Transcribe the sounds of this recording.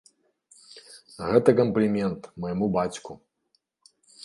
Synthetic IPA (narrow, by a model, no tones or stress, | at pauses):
ɣɛt̪ɐkɐmplʲimʲɛnt̪mɐjmubat͡sʲku